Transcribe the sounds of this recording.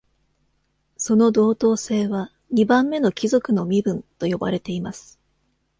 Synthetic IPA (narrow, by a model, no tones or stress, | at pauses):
so̞no̞d̪o̞ːt̪o̞ːse̞ːβa | ɲ̟ibãmːe̞no̞kʲizo̞kɯ̟no̞mʲibɯ̟̃nt̪o̞jo̞ba̰ɾe̞t̪e̞imasɨ̥